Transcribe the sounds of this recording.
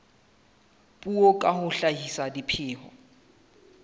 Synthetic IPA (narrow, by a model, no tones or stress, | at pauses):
pʼuɔkʼahʊɬaɦisadipʰɪːhɔ̰